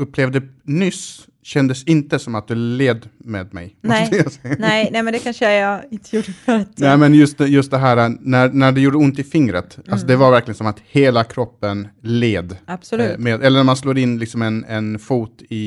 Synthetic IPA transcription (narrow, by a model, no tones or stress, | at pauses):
ɵpːleːvd̪ənʏs | ɕɛnd̪əsɪnt̪əsɔmat̪̚d̪ɵleːd̪meːd̪mɛ̰jmɔɛasɛnɛnɛmɛnd̪ɛkʰanʂəjaɪnt̪əjuɖfəɾat̪nɛːmɛnjɵst̪jɵst̪̚d̪ɛɦæːɾanænæɖɛjuːɖəʊnt̪ɪfɪŋɾə̰t̪ʔalsɔd̪ɛvaɾvæɾklɪɡənsɔmat̪heːlakʰɾɔpːənleːd̪ab̥sɔmeːd̪ɛlːəɳæmansloːɾɪnːlɪksɔmɛnɛnfuːt̪ɪ